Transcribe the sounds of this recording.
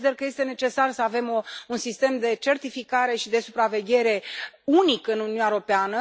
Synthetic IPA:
id̪erkəje̞st̪e̞ne̞t͡ʃe̞sarsəave̞mounsist̪e̞md̪e̞t͡ʃe̞rt̪ifikaɾe̞ʃid̪e̞supɾave̞ɡʲe̞ɾe̞unikɨnununʲaeɾo̞peanə

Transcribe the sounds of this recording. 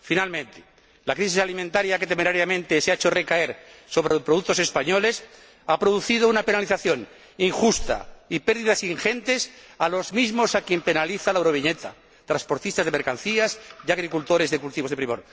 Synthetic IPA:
finalmẽ̞nt̪e̥ | lakɾis̬isalimẽnt̪aɾjake̞t̪emeɾaɾjamẽ̞nt̪eseaet͡ʃo̞re̞kae̞ɾso̞βɾepɾoðuk̚t̪o̞se̞spaɲo̞le̞s | apɾoðuθið̞ounape̞naliθaθjo̞n | iŋxust̪a̰ipe̞ɾðiðasiŋxe̞nt̪e̞salo̞zmizmo̞sakje̞mpe̞naliθalawɾo̞β̞iɲe̞t̪a | t̪ɾaspo̞ɾt̪ist̪azðeme̞ɾkanθiasjaɣ̞ɾikult̪o̞ɾe̞zðekult̪iβo̞zðepɾimo̞̰ɾ

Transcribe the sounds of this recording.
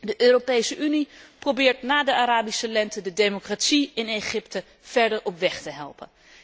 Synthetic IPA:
dəʔøːropejsəʔyniprowbɪːɹtnaːdəaɾaːbisəlɛntədədejmokratsiɪneχɪptə | v̥ɛɹdəɹɔpʋɛχtəɦɛ̰lˠpə̰n

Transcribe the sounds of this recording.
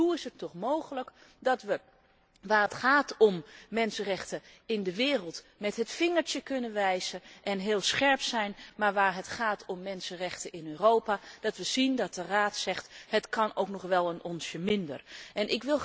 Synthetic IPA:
uɪsətːɔχmowχələk | dɑtʋə | ʋaːətχaːtɔmːɛnsərɛxtə | ɪndəʋɪːrəlˠt | mɛtɦətfɪŋəɹtjəkønəʋɛjzəʔɛnɦɪːlˠsχɛɹpsɛjnmaɹʋaːɹɦətχaːtʰɔmːɛnsənrɛxtəɪnøːroːwpad̥ɑtʋəz̥indɑt̚dəraːtsɛχthətkʰɑnowknɔχʋɛlˠənʔɔnsjəmɪndə̰rʔɛnʔɪkʋɪlˠ

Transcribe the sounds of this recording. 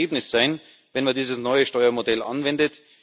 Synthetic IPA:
eːbnɪsz̥aɪn | vɛnmandiːzəsnɔʏəʃtɔʏɐmodɛlʔɑ̰nvɛndət

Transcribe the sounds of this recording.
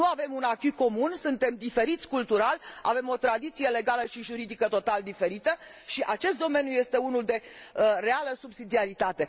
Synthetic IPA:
nuave̞munakyko̞munsunt̪e̞md̪ife̞ɾit̪sʲkult̪uɾala̰ve̞mo̞t̪ɾad̪it̪sije̞le̞ɡaləʃiʒuɾid̪ikət̪o̞t̪ald̪ife̞ɾit̪əʃiʔat͡ʃe̞st̪̚d̪o̞me̞njuje̞st̪e̞unuld̪e̞re̞aləsubsid̪iaɾit̪at̪e̞

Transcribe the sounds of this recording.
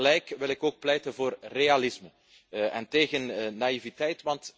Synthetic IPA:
lɛjkʋɪlɪkoːk̚plɛjtənvoːrrealɪsmə | ʔɛnteːɣənːaivitɛjtʋɑnt

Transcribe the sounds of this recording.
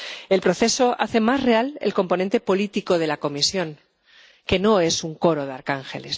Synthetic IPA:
e̞lpɾo̞θe̞so̞ʔa̰θe̞mazre̞alelko̞mpo̞nẽ̞nt̪e̞po̞lit̪iko̞ð̞e̞lako̞misjo̞ŋ | ke̞no̞e̞suŋko̞ɾo̞ðeaɾkaŋxe̞̰le̞s

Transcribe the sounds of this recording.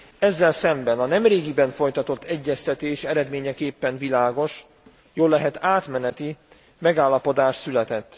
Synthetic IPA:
ɛzːɛlsɛmbɛnɒnɛmreːɡibɛɱfo̞jt̪ɒt̪o̞t̪ʰːɛɟːɛst̪ɛt̪eːʃɛɾɛd̪meːɲɛkeːpːɛnvilaːɡo̞ʃ | joːlːɛɦɛt̪aːt̪mɛnɛt̪i | mɛɡaːlːɒpo̞d̪aːʃsylɛt̪ɛt̪ː

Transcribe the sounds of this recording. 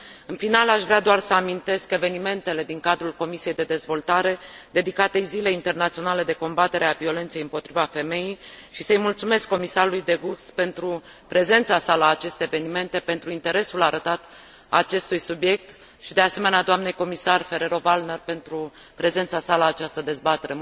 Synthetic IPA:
ɨnfinalaʃvɾead̪oarsəamint̪e̞ske̞ve̞nime̞nt̪e̞le̞d̪iŋkad̪ɾulko̞misije̞jd̪e̞d̪e̞zvo̞lt̪aɾe̞d̪e̞d̪ikat̪e̞zile̞int̪e̞rnat̪sio̞nale̞d̪e̞ko̞mbat̪e̞ɾeavio̞le̞nt̪se̞jɨmpo̞t̪ɾivafe̞me̞jijʃisəjmult̪sume̞skːo̞misaɾulujd̪e̞ɡukspe̞nt̪ɾu | pɾe̞ze̞nt̪sasalaːt͡ʃe̞st̪e̞ːve̞nime̞nt̪e̞pe̞nt̪ɾuint̪e̞ɾe̞sulaɾət̪at̪ | at͡ʃe̞st̪ujsubje̞k̚t̪ | ʃid̪e̞ase̞me̞nead̪oamne̞jko̞misarfe̞ɾe̞ɾo̞valne̞rpe̞nt̪ɾu | pɾe̞ze̞nt̪sasalaːt͡ʃast̪əd̪e̞zbat̪e̞ɾe̞

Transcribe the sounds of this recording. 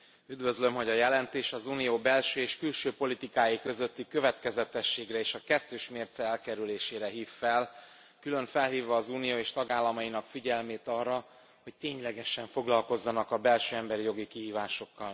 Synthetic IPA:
yd̪vø̞zlø̞mɦo̞ɟɒjɛlɛnt̪eːʃɒzuːnijoːbɛlʃøːeːʃkylʃøːpo̞lit̪ikaːjikø̞zø̞t̪ːikø̞vɛt̪kɛzɛt̪ɛʃːeːɡrɛeːʃɒkɛt̪ːøːʃmeːrt̪sɛɛlkɛɾyleːʃeːɾɛɦiːfːɛl | kylø̞ɱfɛlɦiːvːɒːzuːnijoːeːʃt̪ɒɡaːlːɒmɒjinɒkfiɟɛlmeːt̪ɒrːɒ | ho̞c̚t̪eːɲlɛɡɛʃɛɱfo̞ɡlɒlko̞zːɒnɒkɒbɛlʃøːɛmbɛɾijo̞ɡikiɦiːvaːʃo̞kːɒl

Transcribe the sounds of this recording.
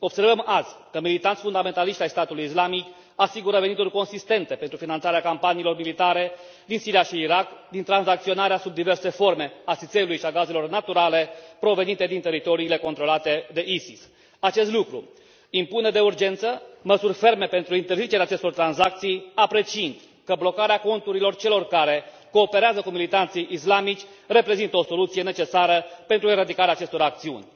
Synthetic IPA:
o̞b̥se̞rvəmazʲkəmilit̪ant̪ʲfund̪ame̞nt̪aliʃt̪ʲajst̪at̪ulujislamik | asiɡuɾəve̞nit̪urʲko̞nsist̪e̞nt̪e̞pe̞nt̪ɾufinant̪saɾeakampaniːlo̞rmilit̪aɾe̞ | d̪insiɾiaʃiːɾakd̪int̪ɾanzak̚t̪sio̞naɾeasub̚d̪ive̞rse̞fo̞rme̞asit̪se̞ulujʃiaɡaze̞lo̞rnat̪uɾale̞pɾo̞ve̞nit̪e̞d̪int̪e̞ɾit̪o̞ɾiːle̞ko̞nt̪ɾo̞lat̪e̞d̪e̞ʔisis | at͡ʃe̞st̪lukɾṵ | impuned̪e̞urd͡ʒe̞nt̪səməsurʲfe̞rme̞pe̞nt̪ɾuint̪erzit͡ʃe̞ɾeaːt͡ʃest̪o̞rt̪ɾanzak̚t̪sijapɾe̞t͡ʃiind̪ | kəblo̞kaɾeako̞nt̪uɾilo̞rt͡ʃe̞lo̞rkaɾe̞ | ko̞ːpe̞ɾeazəkumilit̪ant̪sijʔislamit͡ʃʲ | re̞pɾe̞zint̪əo̞so̞lut̪sije̞ne̞t͡ʃe̞saɾəpe̞nt̪ɾueɾad̪ikaɾeaːt͡ʃe̞st̪o̞ɾak̚t̪siṵnʲ

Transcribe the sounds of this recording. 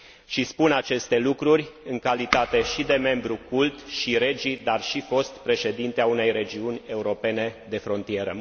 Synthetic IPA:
ʃispunat͡ʃe̞st̪e̞lukɾurʲɨŋkalit̪at̪e̞ʃid̪e̞me̞mbɾukult̪ʃiɾe̞d͡ʒid̪arʃifo̞st̪pɾe̞ʃe̞d̪int̪eaune̞jre̞d͡ʒiunʲe̞uɾo̞pe̞ne̞d̪e̞fɾo̞nt̪ie̞ɾə̰

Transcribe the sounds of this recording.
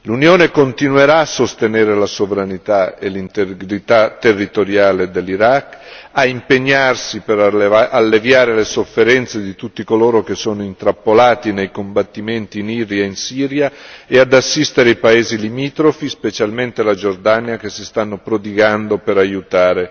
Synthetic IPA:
lunjoːnekont̪inweɾaːsːost̪eneːɾelasovɾanit̪aḛlint̪eɡɾit̪at̪ːerːit̪oɾjaːled̪elːiɾakːaimpeɲːarsipeɾalːevjaːɾelesofːeɾɛnt̪sed̪it̪ut̪ːikoloːɾok̟esːoːnoint̪ɾapːolaːt̪inejkombat̪ːiment̪iːniːɾjainsiːɾjaead̪asːist̪eɾeajpaeːzilimiːt̪ɾofispet͡ʃalment̪elad͡ʒord̪anjakesːist̪anːopɾod̪iɡand̪opeɾajut̪aːɾe

